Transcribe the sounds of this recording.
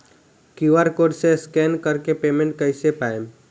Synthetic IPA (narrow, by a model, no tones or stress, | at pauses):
kuʋaɾkoːɖseskɛːnkəɾkepeːmẽɳʈ̚kəɪsepaːem